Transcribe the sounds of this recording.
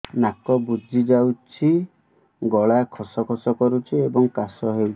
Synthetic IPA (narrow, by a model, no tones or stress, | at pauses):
nakɔbud͡ʒʱid͡ʒawt͡ʃʰi | ɡɔɭakʰɔsɔkʰɔsɔkɔɾut͡ʃʰiebɔŋkasɔɦewt͡ʃʰi̥